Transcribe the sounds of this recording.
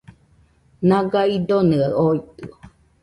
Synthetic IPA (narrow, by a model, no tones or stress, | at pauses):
naɡaid̪onɯaoit̪ɯo